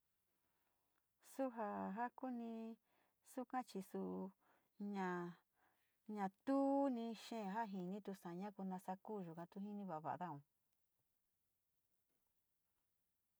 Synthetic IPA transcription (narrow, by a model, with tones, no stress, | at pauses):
su˦ɦa˧ɦa˦ku˦nĩ˧ | su˦kã˦t͡ʃi˧su˧ʔ | ɲã˧ | ɲã˧t̪u˦nĩ˧ʃẽ˦˨˧ɦa˦ɦĩ˧˨˧nĩ˦t̪u˧sã˨˧ɲã˦ku˧nã˧sa˧ku˦˨ʒu˨kã˧t̪u˧ɦi˦nĩ˧βa˨βa̰˨ʔða˦ũ˨